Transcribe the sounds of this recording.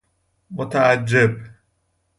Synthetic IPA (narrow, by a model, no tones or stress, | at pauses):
mʊt̪aʔad͡ʒːɪb